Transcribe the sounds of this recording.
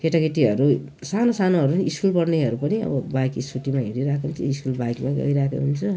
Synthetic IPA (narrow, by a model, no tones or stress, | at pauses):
kʰeʈaɡiʈiɦʌɾu | sanosanoɦʌɾuiskulpʌɽneɦʌɾupʌniʌ̰bʌbajkisuʈimaɦeɾiɾakʰeɦunt͡sʰʌ̰iskulbajkmaɡʌ̰jɾakʰḛɦunt͡sʰʌ